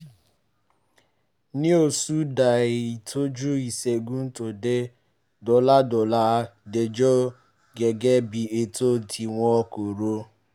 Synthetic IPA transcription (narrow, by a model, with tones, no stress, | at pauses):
nĩ˦o˨su˦da˨i˨i˨to˦d͡ʒu˦i˨se˨ɡu˦n̩˦to˨de˦ | dɔ˨la˦dʊ˨la˦de˨d͡ʒɔ˦ | ɡe˨ɡe˦bi˨e˨to˦ti˨ŋʷɔ˦ko˨ɾo˦